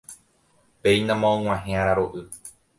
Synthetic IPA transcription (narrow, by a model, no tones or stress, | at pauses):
pejnãmãõŋ̃ʷãɦẽãɾaɾoʔɨ